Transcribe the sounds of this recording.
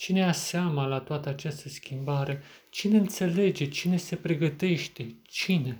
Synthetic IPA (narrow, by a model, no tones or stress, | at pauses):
t͡ʃine̞aseamalat̪oat̪əat͡ʃast̪əskʲimbaɾe̞ | t͡ʃine̞ɨnt̪se̞le̞d͡ʒe̞t͡ʃine̞se̞pɾe̞ɡət̪e̞ʃt̪e̞t͡ʃine̞